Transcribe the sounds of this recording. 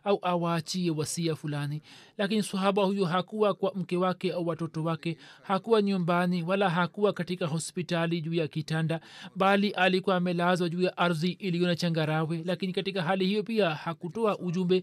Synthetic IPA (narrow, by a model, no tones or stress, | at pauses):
auʔawaːt͡ʃiɛwasiafulanilakinisahaɓahujɔɦakuwakwam̩kɛwakɛauwatɔtɔwakɛhakuwaɲumbaniwalaɦakuwakatikaɦɔspitaliʄuːjakitandaɓaliʔalikuwaːmɛlazwaʄuːjaʔaɾðiʔilijɔnat͡ʃaŋɡaɾawɛlakinikatikaɦalihijɔpiahakutɔaʔuʄumbɛ